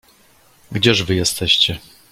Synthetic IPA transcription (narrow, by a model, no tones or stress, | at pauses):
ɡd͡ʑɛʐvɘjɛst̪ɛɕt͡ɕɛ